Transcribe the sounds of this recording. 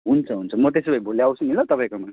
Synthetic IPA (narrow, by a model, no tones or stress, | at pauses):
ɦunt͡sʰʌɦunt͡sʰʌmʌt̪̬esebʌjboljawt͡sʰuŋilʌt̪ʌpajkoma